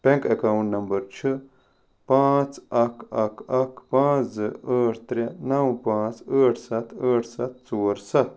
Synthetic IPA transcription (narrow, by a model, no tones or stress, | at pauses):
pẽŋkekawuɳʈnɐmbɐɾt͡ʃʰɨ | pãːt͡sɐkɐkɐkpãːzɨəːʈʰt̪ɾjanɐwũpãːt͡səːʈʰsɐt̪ʰəːʈʰsɐt̪̚t͡soːɾsɐt̪̚